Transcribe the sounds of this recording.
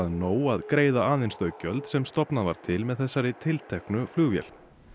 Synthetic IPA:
ðnoːwaðkɾeːjðaaːðɪnst̪œːɥcœlt̪sɛmst̪ɔpnavaɾ̥t̪ʰɪlmɛðθɛsːaɾɪt̪ʰɪlt̪ʰɛhknʏflʏːɣvjɛ̰l̥

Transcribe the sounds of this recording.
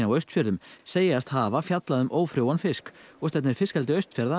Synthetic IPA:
nawœɥst̪fjœɾðʏmseːjast̪haːvafjat̪laðʏmʔoːwfɾjoːwanfɪskɔst̪ɛp̬̚nɪɾ̥fɪskalt̪ɪœɥst̪fjɛɾða

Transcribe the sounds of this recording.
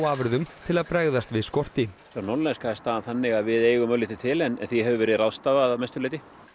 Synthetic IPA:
waːvʏɾðʏmt̪ʰɪlaðpɾɛɣðast̪vɪðskɔr̥t̪ɪθɾnɔɾlɛnskaɛ̥st̪aːðanθanːɪɣaðvɪðeːjɣʏmœlɪt̪ɪt̪ʰɪlɛnɛ̰nθiɦɛvʏvɛːɾɪðrawst̪aːvaðamɛjst̪ʏlejt̪ɪ

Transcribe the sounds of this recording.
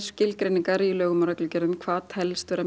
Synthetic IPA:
scɪlkɾejniŋkaɾiɪlœːɣʏmaɾaklʏcɛɾðʏmkʰvaːt̪hɛlst̪ʏɾa

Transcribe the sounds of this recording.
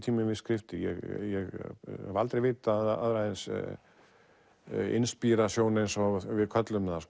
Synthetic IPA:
t̪ʰiːmɪnvɪðskɾɪft̪ɪjɛɣjɛɣhalt̪ɾejveːt̪aða̰ðɾaðens | ɪ̰nspiːɾasjoːwnejnsɔɣvɪðkʰœt̪lʏmθas

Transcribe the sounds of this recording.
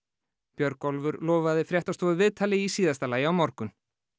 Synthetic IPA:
pjœɾkɔlvʏɾlɔːvaðɪfɾjɛht̪ast̪ɔːðʏvɪðt̪ʰaːlɪisiːðast̪alaːjɪawmɔɾkʏn

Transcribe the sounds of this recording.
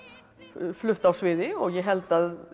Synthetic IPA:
flʏht̪awsvɪðɪɔɣjɛɦɛlt̪að

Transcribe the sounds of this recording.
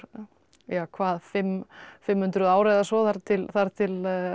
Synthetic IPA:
jaːwkʰvaːðfɪmːfɪmhʏnt̪ɾʏðaːwɾɛðasɔθaɾ̥t̪ʰɪlθaɾt̪ʰɪl

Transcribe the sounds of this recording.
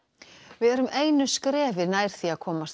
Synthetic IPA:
vɪðɛɾʏmʔeːjnʏskɾɛːvɪɾnaːjɾ̥θiaðkʰɔːmast̪

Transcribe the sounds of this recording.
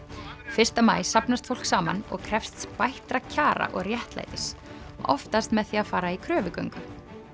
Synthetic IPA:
fɪr̥st̪amaːjsapnast̪fowl̥ksaːma̰nɔ̰ɣkʰɾɛfst̪spajht̪ɾacʰaːɾa̰ʔɔɣrjɛht̪la̰jt̪ɪsʔɔft̪ast̪mɛðθiaðfaːɾaikʰɾœːvʏkœɥŋkʏ

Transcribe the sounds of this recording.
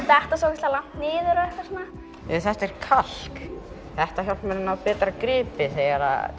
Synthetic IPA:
t̪aɛht̪asɔwcɪst̪lalamn̥t̪nɪːðʏɾaɛht̪asɔna | ɛθɛht̪ɛɾ̥kʰal̥k | θɛht̪açjawlt̪mɛɾnawpɛːt̪ɾakɾɪːpɪθɛɣaɾa̰

